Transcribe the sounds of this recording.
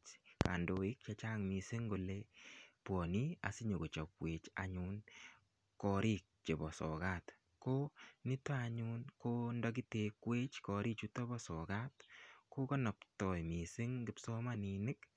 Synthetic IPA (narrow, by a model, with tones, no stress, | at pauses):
t͡ʃka̰˨ndo˨i˦k̚t͡ʃat͡ʃaŋmisɪ˦ŋɡo˨lepwɔ˨ni˦a̰˨si˦ɲo˨ɡo˨t͡ʃɔ˨kwet͡ʃa̰ɲun | kɔ˨ɾʔi˦k̚t͡ʃe˨bɔ˨sɔ̰ɡat | ko˦nɪ˦ta˦aɲunko˦ndɔ˦ɡ̬i˦te˨kwe˦t͡ʃkɔ˨ɾi˦t͡ʃutɔ˦bɔsɔɡatko˦kɔ˦nɔ˨ptɔ˨jmi˨sɪ˦ŋɡɪ˨psɔ˦maninɪk